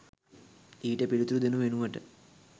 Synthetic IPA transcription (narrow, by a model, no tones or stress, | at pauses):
iːʈepiɻut̪ɾud̪inuʋenuʋɐʈɨ